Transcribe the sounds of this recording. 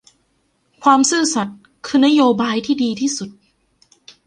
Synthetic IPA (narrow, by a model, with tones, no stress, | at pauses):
kʰwaː˧msɯː˥˩sa˨˩t̪̚ | kʰɯː˧na˦˥joː˧baː˧jt̪ʰiː˥˩diː˧t̪ʰiː˥˩su˨˩t̪̚